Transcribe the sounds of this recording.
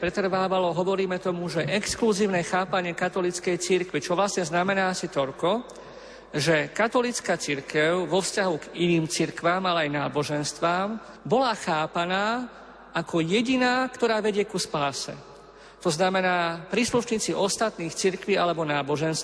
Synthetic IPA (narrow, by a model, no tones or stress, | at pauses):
ɾɛt̪r̩ʋaːʋalɔɦɔʋɔɾiːmɛt̪ɔmuʒɛʔɛkskluziːʊnɛxaːpaɲɪɛkat̪ɔlit͡skɛjt͡siɾkʋit͡ʃɔʋlasɲɛznamɛnaːasit̪ɔlkɔ | ʒɛkat̪ɔlit͡skat͡siɾkɛʊʋɔfscaɦuɡiniːmt͡siɾkʋaːmalɛajnaːbɔʒɛnst̪ʋaːm | bɔlaxaːpanaː | ʔakɔjɛɟinaːkt̪ɔɾaːʋɛɟɪɛkuspaːsɛ̰ | t̪ɔznamɛnaːpɾiːsluʃɲiːt͡siʔɔst̪at̪niːxt͡siɾkʋialɛbɔnaːbɔʒɛnst̪